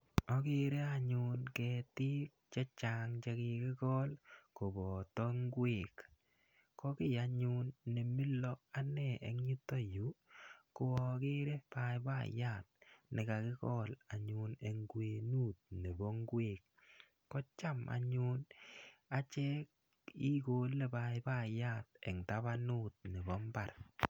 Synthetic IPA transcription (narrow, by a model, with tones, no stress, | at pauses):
ɔ˨˦kɪ˦ɾe˦a˦˨ɲʊ˦nkɛ˨tɪ˦kt͡ʃɛ˦t͡ʃa˨ŋt͡ʃe˧kɪ˨kɪ˦kɔ˦lko˨bɔ˨tɔ˦ŋɡwe˨k | kɔ˦kɪ˦˨ja˨ɲʊ˦nːe˨mi˦lɔ˦a˦nɛ˦˨ɛ̰˨ŋɲi˦to˦ju˨˦kʊ˨ɔ˨kɪ˦ɾe˦pa˨˦jba̰˦˨ja˦˨t̪̚nɪ˨ka˨kɪ˦kɔ˦la˨ɲʊ˨ne˨ŋɡwe˨nu˦˨t̚ne˨bɔ˦ŋɡwe˦˨k̚ː | ɔ˦t͡ʃa˦ma̰˨ɲu˦na˨t͡ʃɛ˦k | i˦ko˦le˦ba˨jba˦˨ja˦˨tɛ˨ŋta˦ba˦nu˦˨t̚ne˨bɔ˦mba˨r